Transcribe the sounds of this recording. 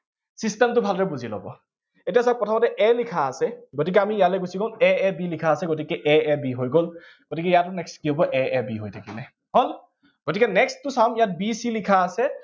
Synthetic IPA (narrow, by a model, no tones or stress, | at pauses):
sistɛmtʊbʱalɹɛbuzilɔ̰bɔ̰ | etias̬ak̚pɹɔtʰamɔtɛʔɛlikʰaːsɛɡotik̬ɛamiijalɛjɡusikõɛɛbilikʰaːsɛɡot̬ikɛʔɛɛbiɦojɡol | ɡ̥otikɛjatʊnɛkstkiɦobɔʔɛɛbiɦojtʰakinɛ | ɦol | ɡ̥otikɛnɛkstːʊsamijat̚bisilikʰaːsɛ